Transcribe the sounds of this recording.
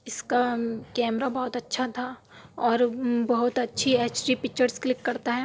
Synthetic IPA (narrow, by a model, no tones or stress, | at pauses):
ɪskakɛːmɾabɐɦʊt̪ɐtːʃʰat̪ʰa | ɔːɾbɐɦʊt̪ɐtːʃʰiɛːt͡ʃɾipɪkt͡ʃəɾsklɪkːɐɾt̪aɦɛː